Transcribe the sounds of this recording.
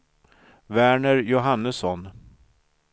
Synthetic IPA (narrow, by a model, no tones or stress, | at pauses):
væːɳəɾjʊɦanːəsɔn